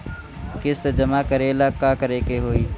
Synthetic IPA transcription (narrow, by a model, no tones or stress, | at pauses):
kɪst̪ed͡ʒəmaːkəɾeːlaːkːaːkəɾeːkeːɦoːiː